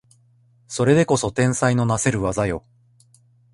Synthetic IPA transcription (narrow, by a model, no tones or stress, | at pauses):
so̞ɾe̞d̪e̞ko̞so̞t̪ẽ̞ɰ̃saino̞nase̞ɾɯ̟βazajo̞̰